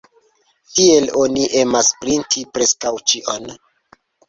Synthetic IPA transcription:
tie̞lo̞niʔe̞maspɾintʰipɾe̞skawt͡ʃiʔo̞n

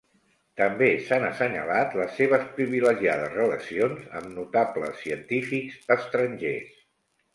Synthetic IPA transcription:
t̪əmbesanəsəɲə̰lat̪ləsːeβ̞əspɾiβiləʒiaðəzrələsionzə̰mnut̪aplə̰sːiənt̪ifikzəst̪ɾəɲʲʒḛs

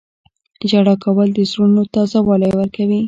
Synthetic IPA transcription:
d͡ʒaɽɑkawəld̪əzɾunot̪ɑzawɑləjwəɾkawi

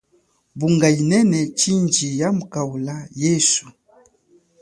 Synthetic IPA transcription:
buŋɡainɛnɛt͡ʃind͡ʒijamukawulajɛsu

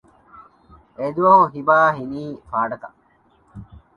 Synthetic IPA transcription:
ed̪uʋɐɦoɦibaːɦiniːfaːɖɐkɐ

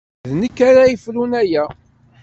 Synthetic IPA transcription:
ðnəkːaɾæjəfɾunæjæ

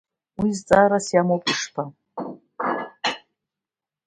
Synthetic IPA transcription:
wizt͡sʼaɾasjamowpʼiʂpʰa

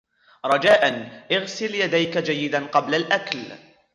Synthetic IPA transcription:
ɾˤɑd͡ʒaːʔanʔɪɣsɪljad̪ajkad͡ʒajːɪd̪anqɑblalʔakl

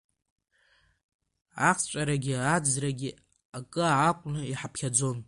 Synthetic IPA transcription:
aχst͡ʃʷʼaɾaɡʲɪad͡zraɡʲɪ | akʼɨaakʷʼnɨiħapʰχʲad͡zo̞n

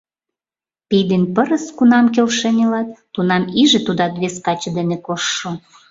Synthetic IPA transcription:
pijd̪enʲpəɾəskunɑmkelʃenʲelɑt̪ːunɑmiʒet̪ud̪ɑt̪βeskɑt͡ɕɤd̪enekoʃːo

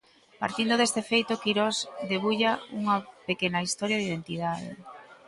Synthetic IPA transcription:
pa̰ɾt̪ind̪oðest̪efejt̪okiɾɔsd̪eβuʎauŋɐpekenɐist̪ɔɾjaðiðent̪iðaðḛ

